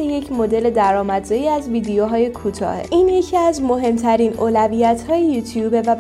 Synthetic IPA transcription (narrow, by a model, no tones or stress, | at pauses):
eje̞cʰmo̞d̪e̞le̞d̪æɾɒːmæd̪zɒjiæzviːd̪ejoɦɒːje̞kʰuːt̪ʰɒ̰ːhḛʔiːnje̞cʰiæzmo̞ɦe̞mt̪ʰæɾiːnoːlæviːjæt̪ʰhɒːjejuːt̪ʰjuːbe̞væb